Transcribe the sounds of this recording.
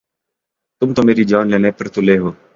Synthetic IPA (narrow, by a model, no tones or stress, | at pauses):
t̪ʊmt̪oːmeːɾid͡ʒaːnleːnepəɾt̪oleːɦoː